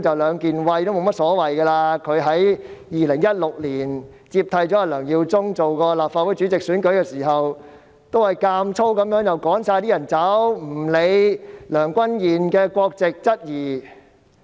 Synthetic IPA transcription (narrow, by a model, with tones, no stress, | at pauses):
t͡sɐ˨wlœː˨˧ŋkiː˨nwɐ˧jt̪o˥wmo˨˧wmɐ˥t̚sɔː˨˥wɐ˨jkɐː˧laː˧kʰɵ˨˧ɥɦɐ˨˥jjiː˨lɪ˨˩ŋjɐ˥t̚lʊ˨k̚liː˨˩n | t͡siː˧p̚t̪ʰɐ˧jt͡sɔ˨˦˥aː˧lœː˨˩ŋjiː˧wt͡sʊ˥ŋt͡so˨wkɔː˧laː˨p̚faː˧t̚wu˨˥jt͡ʃy˨˥t͡sɪ˨k̚syː˨˥nkɵ˨˥ɥkɛː˧siː˨˩ɦɐ˨w | t̪o˥whɐ˨jkaː˧mt͡sʰo˥wkɐ˨˥mjœː˨˥ŋjɐ˨˩wkɔː˨˥ŋsaː˧jt̪i˥jɐ˨˩nt͡sɐ˨˥wm̩˨˩le˨˧jlœː˨˩ŋkʷɐ˥njiː˨˩nkɛː˧kʷɔː˧k̚t͡sɪ˨k̚t͡sɐ˥t̚jiː˨˩